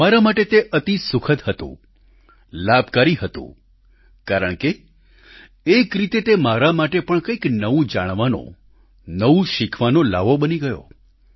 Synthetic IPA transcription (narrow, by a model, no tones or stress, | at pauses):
maɾamaʈet̪eʔət̪isʊkʰət̪hət̪ṵ̃ | labʱkaɾiɦət̪ṵ̃ | kaɾəɳke | kɾit̪et̪emaɾamaʈepəɳkəiknəʋũd͡ʒa̰ɽ̃ʋanõ̰ | nəʋũʃikʰʋanola̰ʋobəniɡəjo̰